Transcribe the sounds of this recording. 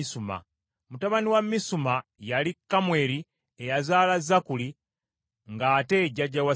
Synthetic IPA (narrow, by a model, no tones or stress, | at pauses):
suma̰ | mutaβaniwamːisumajalikːamwe̞ːɾi | ejazaːlazːakuli | ŋɡaːte̞ɟaɟːawa